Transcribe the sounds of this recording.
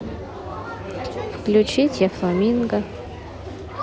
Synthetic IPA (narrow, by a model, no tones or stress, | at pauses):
fklʲʊt͡ɕitʲjaflˠamʲinɡə